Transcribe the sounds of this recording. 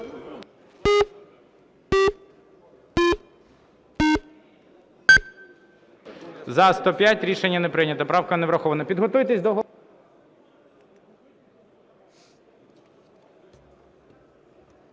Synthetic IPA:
zɐst̪ɔpʲjatʲɾʲiʃenʲːɐnepɾɪnʲɐt̪ɐpɾɑwkɐneʋɾɐxɔʋɐnɐpʲid̪ɦɔt̪ujt̪esʲd̪ɔɦɔ

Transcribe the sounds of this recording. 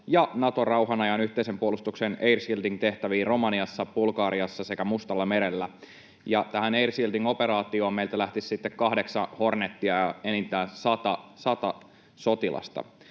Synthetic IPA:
jɑnɑt̪o̞rɑuɦɑnɑjɑnyht̪eisempuolust̪ukseneirsild̪iŋt̪e̞ht̪æʋiːro̞mɑniɑsːɑb̥ulkɑːɾiɑsːɑse̞kæmust̪ɑlːɑme̞ɾelːæ | jɑt̪æɦæneirsild̪iŋo̞pe̞ɾɑːt̪io̞ːmmeilt̪ælæht̪issit̪ːekkɑhdeksɑho̞rnet̪ːiɑjɑenint̪æːsɑt̪ɑsɑt̪ɑ | so̞t̪ilɑ̰st̪ɑ̰

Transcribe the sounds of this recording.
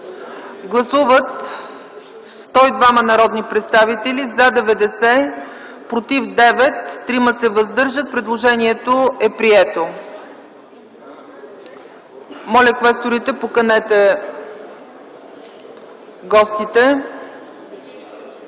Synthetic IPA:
ɡlˠɐsuvət̪ | st̪ɔid̪vamɐnɐɾɔd̪nipɾɛt̪st̪avit̪ɛlʲizad̪ɛvɛd̪ɛsɛ | pɾot̪ifd̪ɛvɛt̪ːɾiməsɛvəzd̪ɤɾʒət̪̚pɾɛd̪lˠoʒɛniɛt̪oɛpɾiɛt̪o | mɔlʲɛkvɛst̪oɾit̪ɛpokɐnɛt̪ɛ | ɡɔst̪it̪ɛ

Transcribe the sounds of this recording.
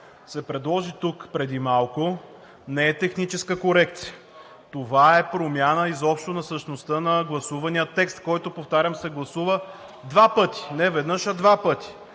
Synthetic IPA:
sɛpɾɛd̪lˠɔʒit̪ukpɾɛd̪imalˠko | nɛɛt̪ɛxnit͡ʃɛskəkoɾɛk̚t̪si̥ə | t̪ovaɛpɾomʲjanəizɔpʃt̪onɐsəʃnost̪ənɐɡlˠɐsuvɐnijət̪ːɛkst̪kɔjt̪opoft̪aɾʲəmsɛɡlˠɐsuvə | d̪vapɤt̪i̥nɛvɛd̪nɤʃɐd̪vapɤt̪i̥

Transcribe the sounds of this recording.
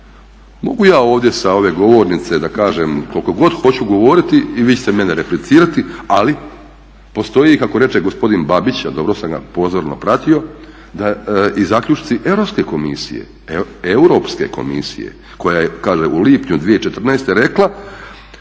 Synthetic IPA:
mo̞ɡujaːo̞ːʋd̪je̞sao̞ʋe̞ɡo̞ʋo̞ːɾnit̪se̞d̪akaːʒemko̞lko̞ɡo̞d̪xo̞t͡ɕuɡo̞ʋo̞ɾit̪iiʋiːt͡ɕe̥t̪eme̞neɾeplit̪siːɾat̪iali | po̞st̪o̞jikako̞ɾe̞t͡ʃeɡo̞spo̞d̪inbabit͡ɕad̪o̞bɾo̞samɡa̰po̞ːzoɾno̰pɾat̪io̞ | d̪aizaːkʎʲut͡ʃt̪iʔe̞ʋɾopske̞ko̞misḭjḛ | euɾo̞pske̞̰ko̞̰mḭsḭjḛ | ko̞jajekaːʒeʔuliːpɲud̪ʋijeit͡ʃe̞t̪r̩naːst̪e̞ɾe̞klˠa

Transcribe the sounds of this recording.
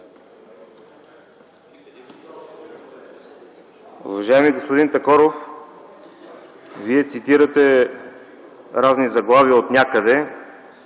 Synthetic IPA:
ṵvɐʒajɛmiɡospod̪int̪ɐkɔɾof | viɛt̪sit̪iɾət̪ɛ | ɾaznizɐɡlˠaviot̪nʲakəd̪ɛ

